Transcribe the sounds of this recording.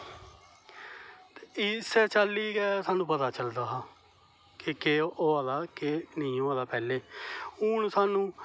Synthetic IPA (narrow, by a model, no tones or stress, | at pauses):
t̪eisɛːt͡ʃaːlːiːɡɛːsaːnũːpət̪aːt͡ʃəld̪aːɦaː | kɪkeːʔoːaːd̪aːkeːnɪĩːoːaːd̪aːpɛːleːuːnsaːnũː